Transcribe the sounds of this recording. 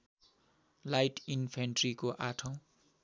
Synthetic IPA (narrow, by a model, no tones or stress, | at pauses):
lajʈʰinpʰenʈrikoʔaʈʰʌ̃w̃